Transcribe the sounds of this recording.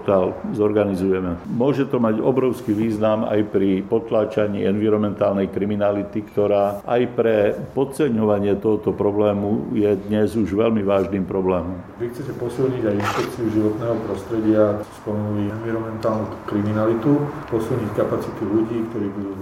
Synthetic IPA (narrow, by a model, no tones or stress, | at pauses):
t̪alzɔɾɡanizujɛmɛmʊɔʒɛt̪ɔmaɟɔ̰bɾɔʊskiʋiːznama̰jpɾipɔt̪laːt͡ʃaɲḭːɛnʋiɾɔmɛnt̪aːlnɛjkɾiminalit̪ikt̪ɔɾaːʔajpɾɛpɔt̪t͡sɛɲɔʋaɲɪɛt̪ɔɦɔt̪ɔpɾɔblɛːmujɛd̪ɲɛzuʒʋɛlmiʋaːʒniːmpɾɔblɛːmɔmʋixt͡sɛcɛpɔsilɲiɟajinʃpɛkt͡siuʒiʋɔt̪nɛːɦɔpɾɔst̪ɾɛɟɪaspɔmɛnuliɛnʋiɾɔmɛnt̪aːlnu̥kɾiminalit̪upɔsilɲickapat͡sit̪uʎuɟiːkt̪ɔɾiːbud̪uː